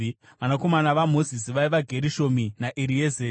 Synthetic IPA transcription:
ʋanako̞manaʋamo̞zis̬iʋaiʋaɡʱe̞ɾiʃo̞minaʔiɾieːze

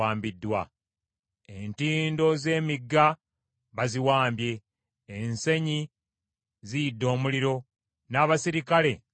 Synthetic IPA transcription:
aːmbidːwa̰ | entiːndo̞ze̞ːmiɡːa | βaziwaːmbje̞ː | nse̞ɲi | zijidːo̞ːmuliɾo̞ | naːβasiɾikale̞

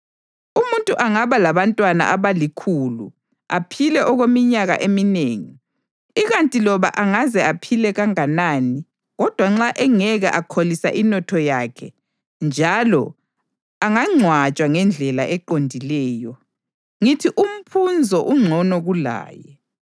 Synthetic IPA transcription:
umuntʼuʔaŋaβalaβantʼwana̰ʔaβalikʰulṵ | apʰilɛʔɔɣwemiɲaɣa̰ʔemineːŋi | iɣantʼilɔβa̰ʔaŋazɛapʰilɛɣaŋanaːni | ɣɔd̥ʱwaŋ͡ǁaʔɛŋɛɣa̰ʔakʰolisa̰ʔinɔtʰɔjakʰɛ | nd͡ʒʱalɔ | aŋaŋ͡ǀʱwat͡ʃʼwaŋɛnd͡ɮʱɛlaʔɛǃondʱilɛːjɔ | ŋitʰiʔum̩pʰund͡zʱɔʔuŋ͡ǀʱɔnɔɣula̰ːjɛ

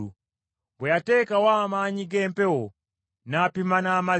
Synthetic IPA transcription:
u | mbɛjatɛkawamaɲiɡɛmpɛwɔ | napimanaːma

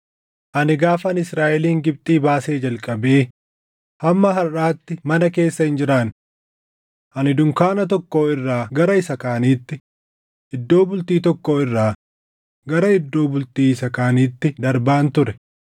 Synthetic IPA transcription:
ʔɐnɪɡaːfɐnɪsɾaːʔɛliːŋɡɪb̚t̪ʼiːbaːse̞ːd͡ʒɐlkʼɐbeː | hɐmːɐɦɐɾʔaːt̪ːɪmɐnɐke̞ːsːɐhɪnd͡ʒɪɾaːn | ʔɐnɪd̪ʊŋkaːnɐt̪̬ɔkːo̞ːɪrːaːɡɐɾɐɪsɐkaːniːt̪ːɪ | ʔɪd̪ːo̞ːbʊlt̪iːt̪ɔkːoːɪrːaː | ɡɐɾɐɪd̪ːo̞ːbʊlt̪iːɪsɐkaːniːt̪ːɪd̪ɐɾbaːnt̪ʊɾɛ

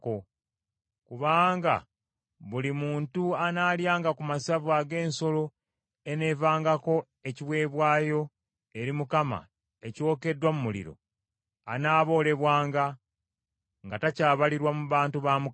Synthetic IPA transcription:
ko | kuβaːŋɡa̰ | βulimuːntuanaːljaːŋɡakumasavwaɡe̞ːnso̞lo | e̞ne̞ːvaːŋɡako̞ | e̞ciβwe̞ːβwaːjo̞ | e̞ɾimukama̰ | e̞co̞ːke̞dwamumulḭɾo̞̰ | a̰naːβo̞ːle̞βwaːŋɡa | ŋɡatacaːβaliɾwamuβaːntuβamu

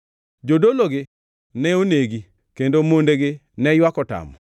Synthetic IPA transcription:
d͡ʒodoloɡɪ | nɛoneɡi | kendomondeɡɪ | nɛjwakɔta̰mɔ̰

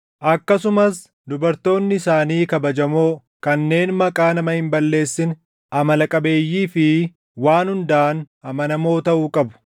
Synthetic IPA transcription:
ʔɐkːɐsʊmɐs | d̪ʊbɐɾt̪o̞ːnːɪɪsaːniːkɐbɐd͡ʒɐmo̞ː | kɐnːe̞ːnmɐkʼaːnɐmɐhɪmbɐlːe̞ːsːɪn | ɐmɐlɐkʼɐbe̞ːjːiːfɪ | waːnhʊnd̪ɐʔːn | ɐmɐnɐmo̞ːt̪ɐʔuːkʼɐbʊ̥

